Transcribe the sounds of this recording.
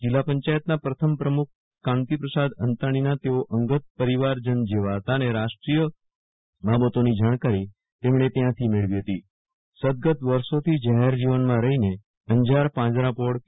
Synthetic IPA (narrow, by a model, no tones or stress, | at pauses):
d͡ʒɪlːapəɲt͡ʃajət̪napɾət̪ʰəmpɾəmuk̚ʰː | ãnt̪ipɾəsad̪ənt̪aɽ̃inat̪eoʔəŋɡət̪̚pəɾiʋaɾd͡ʒənd͡ʒeʋaɦət̪aneɾaʃʈɾijə | babət̪onid͡ʒaɽ̃kaɾi | t̪emɳ̃et̪jãt̪ʰimeɭʋiɦət̪i | səd̪̚ɡət̪ʋəɾsot̪ʰid͡ʒəɦɛɾd͡ʒiʋənmãɾəɦine | əɲd͡ʒaɾpãd͡ʒɾapoɽ